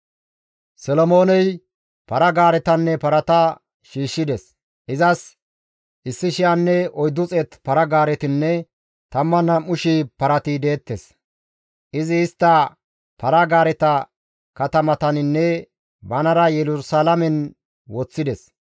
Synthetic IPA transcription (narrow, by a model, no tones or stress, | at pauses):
sɛlɔmo̞ːnɛj | pɐɾɐɡaːɾɛt̪ɐnːɛpɐɾɐt̪ɐ | ʃiːʃːɪd̪ɛs | ʔɪzɐs | ʔɪsːɪʃɪjanːɛɔjd̪ːʊt͡sʼɛt̪pɐɾɐɡaːɾɛt̪ɪnːɛ | t̪ɐmːɐnɐmːʊʃipɐɾɐt̪ɪd̪e̞ːt̪ːɛs | ʔɪzɪːst̪ːɐ | pɐɾɐɡaːɾɛt̪ɐ | kɐt̪ɐmɐt̪ɐnɪnːɛ | bɐnɐɾɐjɛlʊsalɐmɛn | wɔt͡sːɪd̪ɛs